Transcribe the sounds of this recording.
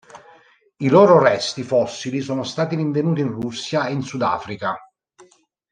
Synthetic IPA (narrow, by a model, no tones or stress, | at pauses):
ilɔːɾorɛst̪ifɔsːilisoːnost̪aːt̪iɾiɱvenuːt̪̬iinrusːjaeinsud̪a̰ːfɾika